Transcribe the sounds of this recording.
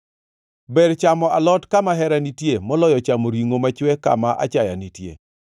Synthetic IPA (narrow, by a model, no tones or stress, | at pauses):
bɛɾt͡ʃamɔalɔtkamaɦɛɾanitjemɔlɔjɔt͡ʃamoɾiŋomat͡ʃwɛka̰maʔa̰t͡ʃaja̰nitjḛ